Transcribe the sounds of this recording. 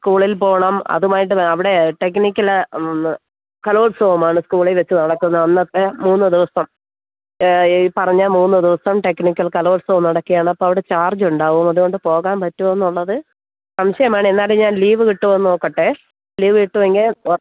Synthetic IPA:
skuːɭilpo̞ːɳɐmɐ̰ðumaːjiʈ̬ːɨɐʋiɽe̞ʈe̞knikʲːɐl | kɐloːɭsoːɐmaːɳɨskuːɭelʋet͡ɕːɨnɐɽɐkːunːɐʋɐnːɐt̪ːemuːnːɨd̪iʋɐsɐm | pɐrɐɲːɐmuːnːɨd̪iʋɐsɐmʈe̞knikʲːɐlkɐlo̞ːɭsoːmnɐɽɐkːijaːɳɐpːoːɐʋiɽe̞t͡ɕaːrd͡ʑuɳɖaːʋumɐðuɣo̞ɳɖɨpo̞ːɣaːmpɐtːuʋɐnːuɭːɐðɨ | sɐmɕɐjɐmaːɳɨenːaːleɲaːnliːʋɨkiʈːuʋɐnːoːkːɐʈːe | liːʋɨkiʈːuʋeŋɡi

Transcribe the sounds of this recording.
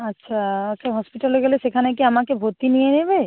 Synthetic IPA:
ətːʃʰaaʃʰaɦɔspiʈaleɡelesekʰanekiamakebʱot̪inijenebe

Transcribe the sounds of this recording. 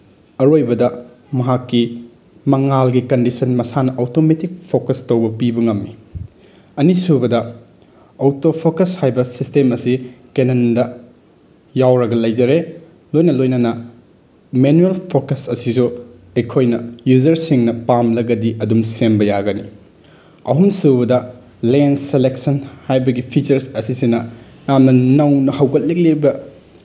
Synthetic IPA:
ɐɾojbɐdɐ | mɐɦakːi | mɐŋalɡikɐndisɐnmɐsanɐʔowtometik̚pʰokɐstɐwbɐpibɐŋɐmːi | ɐnisubɐdɐ | owtopʰokɐshajbɐsistemɐsikenɐndɐ | jawɾɐɡɐlɐjd͡ʒɐɾe | lojnɐlojnɐnɐ | menuelpʰokɐsɐsisu | ekʰojnɐjuzɐɾsiŋnɐpamlɐɡɐdiʔɐdumsembɐjaɡɐni | ɐ̰ɦumsubɐdɐ | lenseleksɐnhajbɐɡipʰit͡ʃɐɾsɐsisinɐ | jamnɐnɐwnɐhɐwɡɐt̚lik̚lebɐ

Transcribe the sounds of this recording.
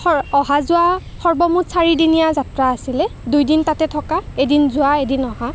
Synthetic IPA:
ɔɔɦazʊa | xɔɹbɔmutsaɹidinijazatɹaːsilɛdujdintatɛtʰɔkaedinzʊaedinɔɦa

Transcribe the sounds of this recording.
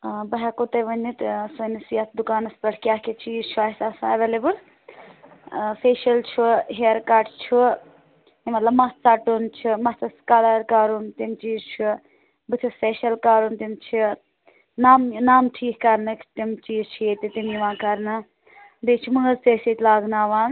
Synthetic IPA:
bɐɦɛkot̪ɐjʋɐnːit̪sɐnisijɐt̪ʰd̪ukaːnɐspɐʈʰkʲaːket͡ʃʰiːzt͡ʃʰuasaːsɐʋelebɨl | feːʃɐlt͡ʃʰuɦeːɾkaːɾʈt͡ʃʰu | imɐt̪lɐbmɐt̪t͡saʈunt͡ʃʰimɐst̪ɐskalaːɾkaːɾunt̪imt͡ʃiːzt͡ʃʰu | bɨt̪ʰuspeʃɐlkaːɾunt̪imt͡ʃʰi | naːmnaːmʈʰiːkkɐɾnɨkʰt̪imt͡ʃiːzt͡ʃʰiet̪it̪imiʋãːkɐɾnɨ | bit͡ʃʰiməzt̪eset̪ʲlaːɡnaːʋãːn

